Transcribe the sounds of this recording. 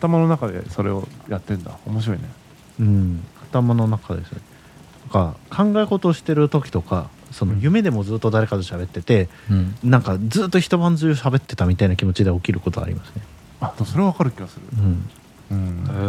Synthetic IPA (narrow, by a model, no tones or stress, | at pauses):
at̪amano̞nakad̪ḛso̞ɾe̞ojat̪ːẽ̞nd̪a̰omoɕ̬iɾo̞ine | ɯ̟̃ɴat̪amano̞nakad̪e̞sɨne | nãŋkakʰãŋɡaeko̞t̪o̞ːɕi̥t̪e̞ɾɯ̟t̪o̞kʲi̥t̪o̞ka̰ | so̞nojɯ̟me̞d̪e̞mo̞d͡zɨːt̪ːo̞d̪aɾe̞kad̪e̞ɕabe̞t̪ːe̞t̪e̞nãŋkad͡zɨːt̪ːo̞çi̥t̪o̞βãnd͡zɨjoɕabe̞t̪ːe̞t̪amʲit̪ainakʲimo̞t͡ɕid̪e̞okʲiɾɯ̟ko̞t̪oa̰ɾʲḭmasɨ̥ne̞ | ad̪̥emso̞ɾeaβakaɾɯ̟kʲiɡasɨɾɯ̰ɯ̟̃ɴ | ɯ̟̃ɴ